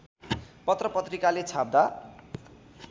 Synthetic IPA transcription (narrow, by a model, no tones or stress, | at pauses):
pʌt̪rʌpʌt̪rikalet͡sʰab̚d̪a